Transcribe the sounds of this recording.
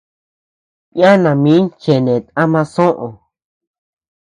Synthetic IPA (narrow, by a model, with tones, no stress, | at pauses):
ja˦nã˨mĩ˨˦nt͡ʃe˨nẽ˨t̪a˦mã˧sõ˦ʔõ˨